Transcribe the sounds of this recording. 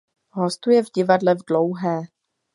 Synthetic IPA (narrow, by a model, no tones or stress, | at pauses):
ɦo̞st̪ujɛvɟɪvadlɛvdlowɦɛː